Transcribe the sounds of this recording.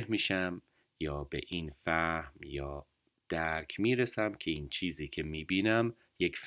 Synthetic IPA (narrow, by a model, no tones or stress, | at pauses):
hmiːʃæm | jɒːbḛʔinfæhmjɒː | d̪̥æɾkʰmiːɾesæmcʲʰe̞iːnt͡ʃʰiːziːcʲʰe̞miːbiːnæm | jekf